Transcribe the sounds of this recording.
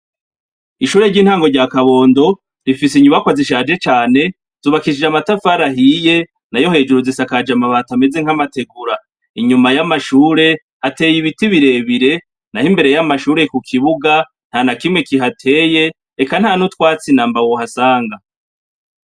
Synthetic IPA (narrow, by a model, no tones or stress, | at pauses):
iʃuːɾe̞ɾɟiːnhaːŋɡo̞ɾɟakaβo̞ːndo̞ | ɾifis̬iɲuβakwaziʃ̬aːd͡ʒe̞t͡ʃaːne̞ | zuːβakiʃid͡ʒamatafaɾaɦije̞ | najo̞he̞ːd͡ʒuɾuzisakad͡ʒamaβatame̞ze̞ŋ̥hamate̞ɡuɾa | iɲumajamaʃuːɾe̞ | hate̞ːjiβitiβiɾe̞ːβiɾe̞ | nahimbe̞ɾe̞jamaʃuːɾe̞kukʰiβuɡa | n̥hanakimŋwe̞kiɦatʰe̞ːje̞ | ekan̥haːnutwaːt͡sinaːmbawohasaːŋɡa